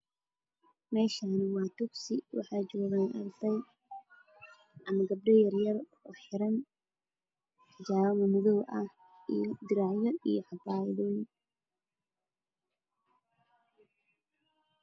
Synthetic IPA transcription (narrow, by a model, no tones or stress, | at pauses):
mɛːʃaːnwɑːt̪ʊɡsɪwɑ̰ħɑːjd͡ʒɔːɣaːnʔɐrd̪ɛj | ʔɐmɐɡɐb̚ɖɛjɐrjɐr | ɔːħɪɾɐn | t̪ʰɐd͡ʒaːwɐmɐmɔðɔwʔɐh | ijd̪ɪɾaːʕjɔijɔħɑbaːjðɔːjɪn